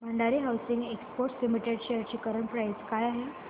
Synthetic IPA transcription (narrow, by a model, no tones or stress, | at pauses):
m̤əɳɖaɾiɦawsiŋɡekspoɾʈslimiʈeɽɕejəɾt͡ɕiːkəɾəɳpɾajskajaɦe